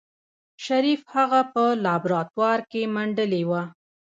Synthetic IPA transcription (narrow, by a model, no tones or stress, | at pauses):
ʃaɾifhaɣapəlɑbɾɑt̪wɑɾkemaɳɖəlewa